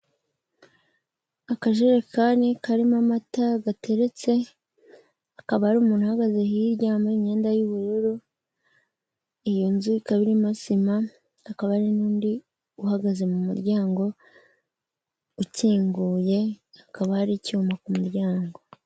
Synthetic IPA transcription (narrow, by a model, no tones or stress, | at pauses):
akaʒeɾekanikaɾimamataɡatʰe̞ɾe̞t͡se̞ | akaβahaɾuːmuːn̥huhaɡaze̞hiɾɟaːmbaiɲe̞ːndajuβuɾeɾo | ijonzuikaβiɾimasimaː | kaβahaɾinuːndi | uhaɡaze̞mumuɾɟaːŋɡo̞ | uciːŋɡuːje̞akaβahaɾicuumakumuɾɟaːŋɡo̞